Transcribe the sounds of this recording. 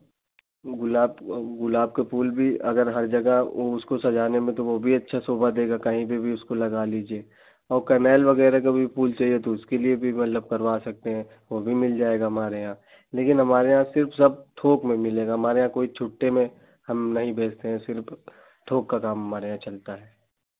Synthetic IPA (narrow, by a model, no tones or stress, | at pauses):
ɡʊlaːbɡʊlaːb̚kepuːlbʱiɐɡəɾɦɐɾd͡ʒɐɡəoʊskosɐd͡ʒaːnemẽt̪oʋobʱiɐtːʃʰasoːbəd̪eːɡakɐɦĩbibʱiʊskolɐɡaliːd͡ʒieː | ɔːɾkɐnɛːlʋɐɣɛːɾak̬abʱipuːlt͡ʃaːɦiet̪oʊskeliebʱimɐt̪ləb̚kɐɾʋaːsɐk̚t̪eɦɛ̃ | ʋobʱimɪld͡ʒaːeːɡaɦɐmaːɾeɦãː | leːkɪnɦɐmaːɾeɦãsɪɾfsɐb̚ʈ̪ʰoːkmẽmɪleːɡaɦɐmaːɾeɦãkoːit͡ʃʰʊʈːemẽ | hɐmnɐɦĩbʱeːt͡ʃt̪eɦɛ̃sɪɾf | ʈ̪ʰoːkːakaːmɦɐmaːɾeɦãt͡ʃɐlt̪aɦɛː